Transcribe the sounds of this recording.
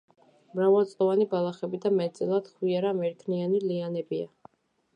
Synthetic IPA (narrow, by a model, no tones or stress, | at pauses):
mɾavalˠt̪sʼɔvanibalˠaχɛbid̪amɛt̪t̪sʼɛlˠad̪̥χwiaɾamɛɾkʰnianilianɛbia̰